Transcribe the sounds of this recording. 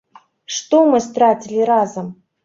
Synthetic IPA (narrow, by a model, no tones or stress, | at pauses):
ʂt̪omɨst̪ɾat͡sʲilʲiɾazəm